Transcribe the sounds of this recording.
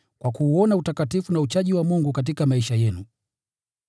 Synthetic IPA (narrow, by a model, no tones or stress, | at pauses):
kwakuːɔnautakatifunaut͡ʃaʄiwamuŋɡukat̬ikamaiʃajɛnu